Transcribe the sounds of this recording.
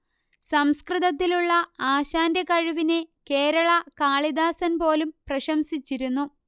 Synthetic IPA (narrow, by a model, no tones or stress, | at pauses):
sɐmskriðɐt̪ːiluɭːɐaːɕaːndekɐɻuʋineke̞ːɾɐɭɐkaːɭid̪aːsɐnpo̞ːlumprɐɕɐmsit͡ɕːiɾunːu